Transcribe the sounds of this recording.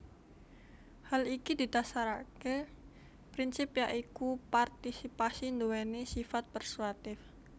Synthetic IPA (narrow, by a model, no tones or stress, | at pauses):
halikid̪i̤t̪asaɾake | pɾinsɪpjaʔikupart̪isipasind̪owɛnesifat̪̚pərsuat̪ɪf